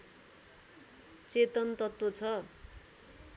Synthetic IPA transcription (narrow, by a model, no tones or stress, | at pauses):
t͡set̪ʌnt̪ʌt̪wot͡sʰʌ